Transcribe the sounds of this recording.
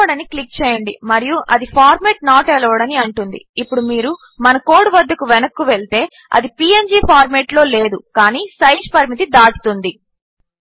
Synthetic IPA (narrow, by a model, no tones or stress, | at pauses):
ɐɽɐniklik̚t͡ʃɛːjɐɳɖḭmɐɾijuʔɐd̪ipʰaːɾmeːʈ̚naːʈɛlɐʋɐɽɐniɐɳʈund̪ḭːpːuɽumiːɾu | mɐnɐko̞ːɽuʋɐd̪ːɐkuʋɛnɐkːuʋeɭt̪e̞ː | ɐ̰d̪ipiːend͡ʒiːpʰaːɾmeːʈlo̞ːle̞ːd̪ukaːniːsɐjd͡ʒpɐɾimit̪id̪aːʈu̥t̪und̪i